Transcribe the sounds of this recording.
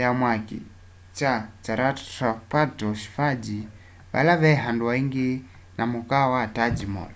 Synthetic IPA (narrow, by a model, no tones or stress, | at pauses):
jamwakḭ | t͡ʃat͡ʃaɾaapatɔʃi̥fad͡ʒi | βa̰laβɛɦanduaiŋɡi | namukawatad͡ʒimɔ̰l